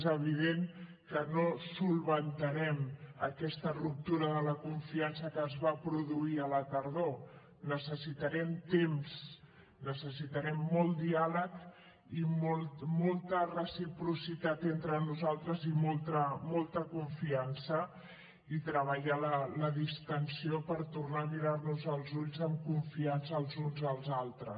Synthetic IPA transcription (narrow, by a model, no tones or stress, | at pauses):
zəβ̞iðeŋkənosulˠβənt̪əɾɛməkɛst̪ərup̚t̪uɾəðələkuɱfiansəkəːzβapɾuðuiələt̪əɾðo | nəsəsit̪əɾɛmt̪ems | nəsəsit̪əɾɛmːɔlˠt̪d̪ialək | imolt̪molˠt̪ərəsipɾusit̪at̪ent̪ɾənuzalˠt̪ɾəzimɔlˠt̪əmɔlˠt̪əkuɱfiansə | it̪ɾəβ̞əʎalələðist̪ənsiopəɾt̪urnamiɾarnuzəlˠzuʎzəmkuɱfiansəːlˠzunzəlˠzalˠt̪ɾə̰s